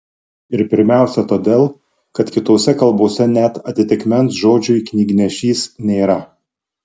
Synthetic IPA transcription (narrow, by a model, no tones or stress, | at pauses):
ɪɾpʲɪɾʲmʲæˑʊsʲɛt̪oːd̪ʲeːlˠ | kɐt̪kʲɪt̪oːsʲɛkɐlˠboːsʲɛnʲɛt̪ɐt̪ʲɪt̪ʲɪkmʲɛnsʒoːd͡ʒʲʊɪknʲiːɡʲɪnʲɛʃʲiːsnʲeːɾɐ